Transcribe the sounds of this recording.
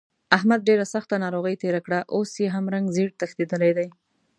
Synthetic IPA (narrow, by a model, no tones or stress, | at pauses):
aɦmad̪̚ɖeɾasaxt̪anɑɾoɣəjt̪eɾakɽaʔosjeɦamɾaŋɡzeɽt̪axt̪id̪əlajd̪aj